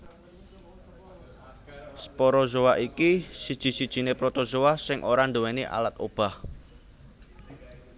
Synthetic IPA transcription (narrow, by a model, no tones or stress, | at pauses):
spoɾozowaʔikisid̥ʒ̥i̤sid̥ʒ̥i̤nepɾot̪ozowasɪŋʔoɾand̪owɛniʔa̰lat̪ob̥a̤h